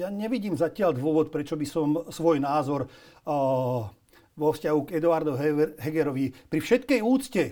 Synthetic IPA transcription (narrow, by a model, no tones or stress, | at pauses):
jaɲɛʋiɟiːmzacɪald̪ʋʊɔʋɔt̪pɾɛt͡ʃɔbisɔmsʋɔjnaːzɔɾ | ʋɔfscaɦuɡɛd̪uaɾd̪ɔɦɛɡɛɾɔʋipɾifʃɛt̪kɛjuːt͡scɛ